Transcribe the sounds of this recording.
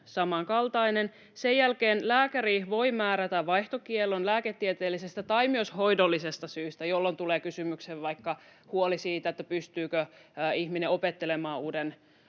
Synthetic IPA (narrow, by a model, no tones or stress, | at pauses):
sɑmɑŋkɑlt̪ɑinen | sejjælkeːnlæːkæriʋoimæːɾæt̪æʋʋɑjht̪okielːonlæːket̪ːiet̪eːlːisest̪æt̪ɑimyøsho̞idolːisest̪ɑsyːst̪æjolːo̞nt̪uleːkysymykseʋʋɑikːɑhuolisiːt̪æet̪ːæpyst̪yːkøihmineopet̪ːelemɑːuːden